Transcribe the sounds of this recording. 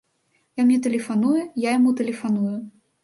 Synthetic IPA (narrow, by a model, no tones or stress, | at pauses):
jamnʲɛt̪ɐlʲɛfanujujajamut̪ɛlʲɛfanuju